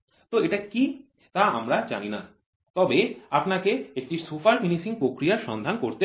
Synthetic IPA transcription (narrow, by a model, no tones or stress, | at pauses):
t̪oeʈaki | t̪aa̰mɾad͡ʑa̰nina | t̪ɔbeapnakeek̚ʈiɾsofaɾfinisiŋpɾokɾijaɾʃɔnd̪ʱankoɾt̪e